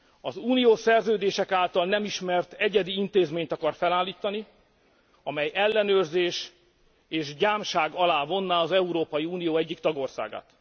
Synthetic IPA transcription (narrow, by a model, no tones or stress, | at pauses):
ɒzuːnijoːsɛrzøːd̪eːʃɛkaːlt̪ɒlnɛmiʃmɛrt̪ɛɟɛd̪iint̪eːzmeːɲt̪ɒkɒrfɛlaːlːiːt̪ɒni | ɒmɛjɛlːɛnøːrzeːʃ | eːʃɟaːmʃaːɡɒlaːvo̞nːaɒzɛuɾoːpɒjiuːnijoːɛɟːikt̪ɒɡo̞rsa̰ːɡa̰ːt̪